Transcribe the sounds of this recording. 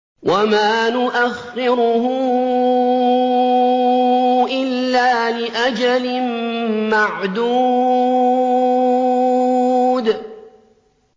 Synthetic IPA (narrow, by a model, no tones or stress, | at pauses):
wʔamaːnʊʔaxːɪɾʊhʊ | ʔɪlːaːlɪʔad͡ʒalɪmmaʕd̪uː | d̪